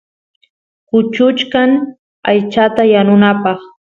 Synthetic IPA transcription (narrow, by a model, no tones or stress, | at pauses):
kʊt͡ʃʊt͡ʃkaŋ | ajt͡ʃat̪ajanʊnapɑχ